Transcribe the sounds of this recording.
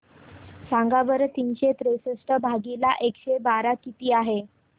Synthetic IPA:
sãŋɡabəɾt̪iːnɕet̪ɾesəsʈəbʱaɡilaʔekɕebaɾakit̪iːaɦe

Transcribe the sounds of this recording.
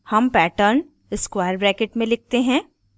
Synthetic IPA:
hɐmpɛːʈəɾn | ɪskʋaːjəɾbɾɛːkeʈmẽlɪk̚ʰt̪eɦɛ̃ː

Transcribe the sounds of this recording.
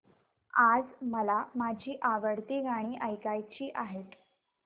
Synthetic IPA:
ad͡zməlamad͡ʑʱiːʔaʋəɽt̪iɡʱaɽ̃iːʔəjkajt͡ɕiːʔaɦet̪

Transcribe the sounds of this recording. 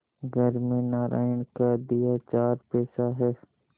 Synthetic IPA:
ɡʱəɾmẽnaːɾʔa̰ːɪnkad̪ijat͡ʃaːɾpɛːsaɦɛː

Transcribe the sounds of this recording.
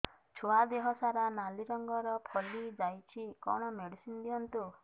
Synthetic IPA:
t͡ʃʰoad̪eɦɔsaɾanaliɾɔŋɡɔɾɔpʰɔlid͡ʒajt͡ʃʰikɔ̰ɽ̃ɔmeɽisind̪iɔnt̪u

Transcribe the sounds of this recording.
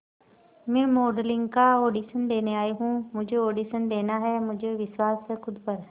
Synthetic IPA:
mɛ̃ːmoːɖəlɪŋɡkaːoːɖiːsənd̪eːneːaːeːɦũːmʊ̃d͡ʒʱooːɖiːsənd̪eːnaːɦɛːmʊ̃d͡ʒeʋɪswaːskʰʊd̪pəɾ

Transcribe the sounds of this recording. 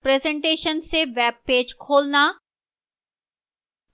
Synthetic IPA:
pɾɛːzɛ̃ɳʈeːʃənseʋɛːb̚peːd͡ʒkʰoːlnaː

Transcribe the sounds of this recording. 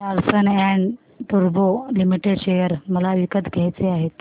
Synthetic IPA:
aɾsənɛɳɖ | ʈ̪uɾbolimiʈeɽɕejəɾməlaʋikət̪ɡʱjajt͡seaɦet̪

